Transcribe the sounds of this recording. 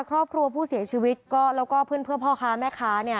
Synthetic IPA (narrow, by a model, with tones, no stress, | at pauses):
kʰɾɔː˥˩p̚kʰɾu˧ɐpʰuː˥˩si˨˩˦t͡ɕʰiː˧wi˦˥t̪̚kɔː˥˩lɛː˦˥wkɔː˥˩pʰɯ˥˩ənpʰɯ˥˩əpʰɔː˥˩kʰaː˦˥mɛː˥˩kʰaː˦˥ni˥˩ɐ